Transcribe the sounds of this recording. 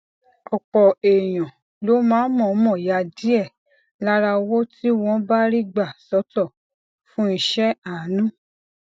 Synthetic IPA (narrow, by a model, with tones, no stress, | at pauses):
ɔ˨k͡pɔ˨e˨j̃ɔ̃˨ | lo˨˦mãː˨˦mɔ̃˨˦mɔ̃˦˨ja˧di˦ɛ˦˨ | la˦ɾa˧wo˦ti˦w̃ɔ̃˧˦ba˦ɾi˦ɡ͡ba˦˨sɔ˨˦tɔ˦˨ | fũ˦i˧ʃɛ˦a˨˦nũ˦